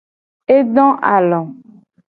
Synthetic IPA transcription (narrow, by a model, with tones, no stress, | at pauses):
e˦ɖɔ̃˦ʔa˨lɔ̃˨